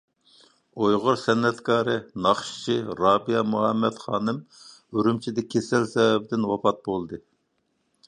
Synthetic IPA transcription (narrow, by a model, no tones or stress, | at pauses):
ojʁʊɾsɛnːɛt̪kʰɑːɾɨnɑχʃi̥t͡ʃʰiɾɑːbijɑmuɦɛmːɛt̪χɑːnɨmøɾymt͡ʃʰid̪ɛkʲʰːesɛlsɛwɛbɪd̪ɪnwɑpɑt̪̚bolˠd̪ɨ